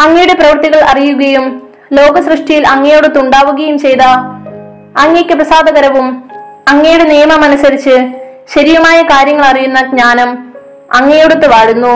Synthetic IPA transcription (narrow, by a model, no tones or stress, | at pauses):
ɐŋːɐjuɽe̞prɐʋɐrt̪iɣɐɭʔɐrijuɣɐjum | lo̞ːɡɐsrɨʂʈɐjilɐŋːɐjoɽut̪ːuɳɖaːʋuɣɐjumt͡ɕe̞jt̪ɐː | ŋːekʲːɨprɐsaːd̪ɐɣɐɾɐʋum | ɐŋːɐjuɽe̞nijɐmɐmɐnusɐɾit͡ɕːɨ | ɕɐɾijɐmaːjɐkaːɾjɐŋːɐɭɐrijunːɐɡɲaːnɐm | ɐŋːɐjoɽut̪ːɨʋaːɻunːu